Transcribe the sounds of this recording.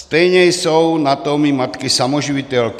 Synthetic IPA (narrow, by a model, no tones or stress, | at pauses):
st̪ɛjɲɛjsɔwnat̪ɔmimat̪kisamɔʒiʋit̪ɛlk